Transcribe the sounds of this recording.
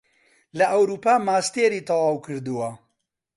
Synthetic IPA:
lɐʔɐwɾuːpaːmaːst̪eːɾiːt̪ɑwaːwkʰɨɾd̪uwɐ

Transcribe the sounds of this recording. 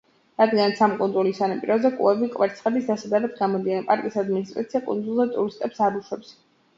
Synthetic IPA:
ɾad̪ɡanat̪sʰamkʼund̪zulisanapʼiɾɔzɛkʼṵɛvikʼwɛɾt̪sʰχɛd̪isd̪asad̪aɾad̪ɡamɔd̪ianɛpʼa̰ɾkʼisad̪minist̪ʼɾa̰t̪sʰijakʼṵnd̪zulˠzɛt̪ʼuɾist̪ʼɛpsaɾuʃwɛps

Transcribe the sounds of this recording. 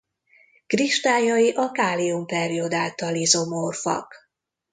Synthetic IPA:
kriʃt̪aːjɒjiʔɒkaːliumpɛɾio̞d̪aːlt̪ɒlizomorfɒ̰k

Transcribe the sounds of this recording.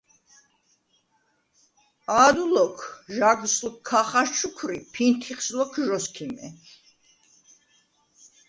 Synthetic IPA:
aːd̪ulɔkʰʒaɡsʼlkʰːaχaɾt͡ʃʰukʰɾipʰint̪ʰiχslɔkʰʒɔskʰimɛ̰

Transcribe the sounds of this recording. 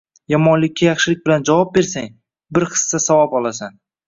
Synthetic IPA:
jɒmɒnlɪkʲːajɑχʃɪlɪk̚ʲbɪland͡ʒavɒp̚be̞ɾsaŋ | bɪɾχɨ̥sːasavɒpɒlˠasan

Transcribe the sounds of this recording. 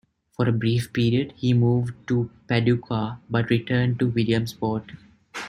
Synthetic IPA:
fɔːɾəbɾiːfpiːɾiəɖhiːmuːʋɖʈupæɖukʰabɐʈɾiʈəːɳɖ̚ʈuʋɪljə̃mspɔːʈ

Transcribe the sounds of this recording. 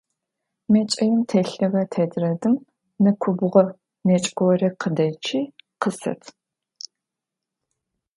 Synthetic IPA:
met͡ʃʼɐjɪmtʰeɬɐʁɐtʰɐdrɐdɨm | nɨkʷʰʊbʊʁɐ | net͡ʃʼɡʷɔwrɐqʰədɐt͡ʃʰiːqəsɐ̰tʰ

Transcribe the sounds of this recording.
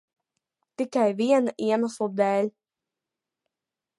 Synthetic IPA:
t̪ikajviɛnaʔiɛmaslˠd̪ɛːlʲ

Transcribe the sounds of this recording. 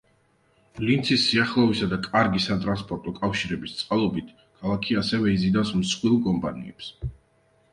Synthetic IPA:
lint̪sʰisːiaχlˠɔvisad̪akʼaɾɡisat̪ʼɾanspʼɔɾt̪ʼɔkʼafʃiɾɛbist̪sʼqʼalˠɔbit̪ʰ | kʰalˠakʰiasɛvɛizid̪afsmsχwilˠkʼɔmpʼanḭɛps

